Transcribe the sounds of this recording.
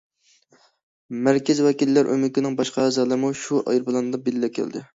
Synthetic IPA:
mæɾkʲɪzwɛkʲilːæɾʔø̰mɪkʲɪnɪŋbɑʃqʰɑɛzɑlˠɨɾmuʃuʔɑ̰jɾbɨlˠɑnɨd̪ɑbelɪlɛkʲʰæ̰ld̪ɪ̰

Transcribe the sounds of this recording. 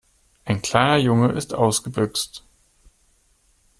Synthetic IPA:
ʔaɪnkʰl̥aɪnɐjʊŋəʔɪstʔaʊsɡ̥əbʏkst

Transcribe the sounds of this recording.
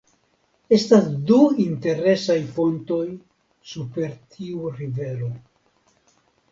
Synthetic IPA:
e̞stasduinte̞ɾe̞sajfo̞nto̞j | supe̞ɾtʰiuɾive̞lo̞

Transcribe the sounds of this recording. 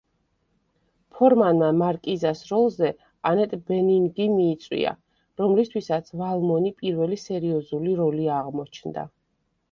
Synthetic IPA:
pʰɔɾmanamaɾkʼizasɾɔlˠzɛ | anɛt̪ʼbɛniŋɡimiːt̪sʼwḭa̰ | ɾɔmlist̪ʰwisat̪sʰvalˠmɔnipʼiɾvɛlisɛɾiɔzuliɾɔliaʁmɔt͡ʃʰnd̪a̰

